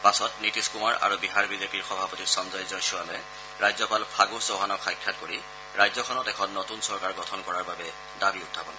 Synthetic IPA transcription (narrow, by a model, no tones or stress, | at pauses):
pasɔtnitiskumaɹa̰ɹubiɦaɹbizepiɹxɔbʱapɔtiɹsɔmzɔjzɔnsɔalɛ | ɹajzɔpalpʰaɡusoɦanɔxajkʰːat̚koɹi | ɹajzɔkʰɔnɔtɛkʰɔnːotunsɔɹkaɹɡɔtʰɔnkɔɹaɹbabɛ | dabiʊtʰːabɔn